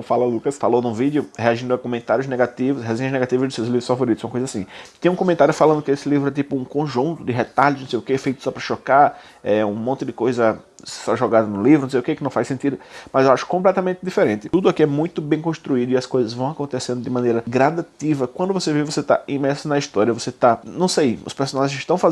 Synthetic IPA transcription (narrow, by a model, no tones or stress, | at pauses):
w̃falɐlukɐsfalownũvid̪jʊheaʒĩd̪ʊɐkõmẽnt̪aɾjʊznɛɡat̪ivʊsɦezẽɲɐznɛɡat̪ivɐzd̪ɪsewzlivɾʊsfavoɾit̪ʊsɐ̃ɐkojzɐasĩt̪ẽj̃ũkõmẽnt̪aɾjʊfalɐ̃nd̪ʊkɪesɪlivɾʊɛt̪̬ipʊũkõʒũnt̪ʊd̪ɪɦet̪aʎʊznõwsejʊkefejt̪ʊ̥sɔpɾɐʃɔka | ɛũmõnt̪ɪd̪ɪkojzɐ | saʒɔɡad̪ɐnʊlivʊñsejʊkekɪnɐ̃w̃fajsẽnt̪id̪ʊmɐzewaʃʊ̥kõplɛt̪ɐmẽnt̪ɪd̪ifeɾẽnt̪ɪt̪ud̪ʊakiɛmũj̃t̪ʊbẽj̃kõst̪ɾuid̪ʊiɐskojzɐzvɐ̃w̃akõnt̪esẽnd̪ʊd̪ɪmɐ̃nejɾɐɡɾad̪at̪ivɐkwɐ̃nd̪ʊvosevivvoset̪a̰ĩmɛɾsʊnɐist̪ɔɾiɐvoset̪anɐ̃w̃sejʊ̰speɾsonaʒẽzɪʃt̪ɐ̃w̃fa